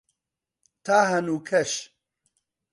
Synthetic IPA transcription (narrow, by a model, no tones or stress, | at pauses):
t̪ʰaːɦɐnukʰɐʃ